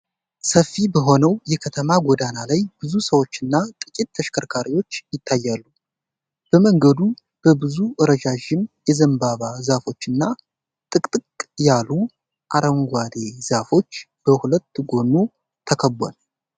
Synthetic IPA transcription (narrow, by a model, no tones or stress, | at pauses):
səfːibəɦo̞nəwjɛkʰət̪ʰəmaɡod̪analajb̥ɨzusəwo̞t͡ʃːɨnːat̪ʼɨkʼit̪ːʰəʃkʰəɾkʰaɾiwo̞t͡ʃːjɪt̪ʰːajːalːu | b̥əməŋɡəd̪u | b̥əbɨzuʔɨɾəd͡ʒaʒɪmjɛzəmbaβazafo̞t͡ʃːɨnːa | t̪ʼɨkʼt̪ʼɨkʼjalu | ʔaɾəŋɡʷad̪e̞zafo̞t͡ʃː | b̥əhulət̪ːɡo̞nːu | t̪ʰəkʰəbːa̰n